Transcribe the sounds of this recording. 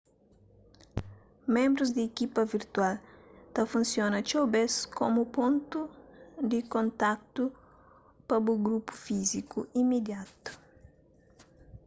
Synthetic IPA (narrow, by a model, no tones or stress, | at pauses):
mẽmbɾuzd̪iːkipɐviɾt̪walt̪ɐfũnsjonɐt͡ʃobeskomupõnt̪ud̪ikõnt̪ak̚t̪u | pɐbuɡɾupu̥fizikṵimed̪jat̪u̥